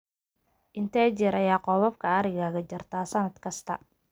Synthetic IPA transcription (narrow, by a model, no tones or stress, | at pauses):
ʔɪnt̪ʰɛːt͡ʃɪɾɐjaːqɔːβɐfkʰɐɐɾɪɣaːɣɐt͡ʃɪrt̪ʰaːsɐnɐd̪kʰɐst̪ʰɐ̰